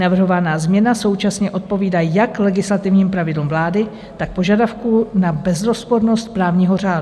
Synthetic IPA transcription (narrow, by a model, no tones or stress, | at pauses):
navr̩ɦo̞vanaːzmɲɛnaso̞wt͡ʃasɲɛʔo̞t̪̚po̞viːdajaklɛɡɪslat̪ɪvɲiːmpɾavɪdlumvlaːdɪ | t̪ak̚po̞ʒadafkunabɛzɾo̞spoɾno̞st̪̚pɾaːvɲiːɦo̞raːdu